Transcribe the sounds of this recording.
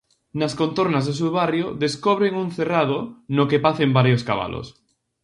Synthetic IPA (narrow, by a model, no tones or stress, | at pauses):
naskont̪oɾnazðes̬uβarjoðeskoβ̞ɾeŋuŋθerað̞onokepaθembaɾjoska̰βa̰lʔo̰s